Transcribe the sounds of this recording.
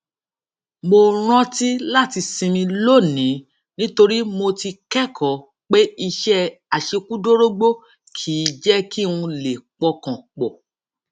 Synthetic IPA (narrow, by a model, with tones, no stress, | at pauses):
mo˧ɾ̃ã˦ti˦la˦˨ti˧sĩ˧mĩ˧lo˦˨nĩ˨˦ | nĩ˦to˧ɾi˦mo˧ti˧kɛ˦kʰɔ˨ | k͡pe˦i˧ʃɛ˦a˨ʃe˧ku˦do˦ɾo˦ɡ͡bo˦ | kʰiː˨˦d͡ʒɛ˦ki˦˨ũ˧le˨k͡pɔ˧kã˨k͡pɔ˨